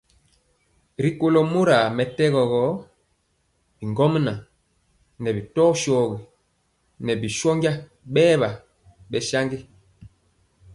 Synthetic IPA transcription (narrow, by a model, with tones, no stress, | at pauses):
ɾi˦ko˦lɔ˦mo˦ɾa˨mɛ˨tɛ˦ɣɔ˨ɣɔ˨˦ | bi˨ŋɡɔ˦m˦na˨ | nɛ˨bi˨tɔː˦ʃɔː˨ɣi˨ | nɛ˨bi˨ʃɔ˦ŋɡa˦ | ɓɛː˦βa˨ | ɓɛ˨ʃa˦ŋɡi˦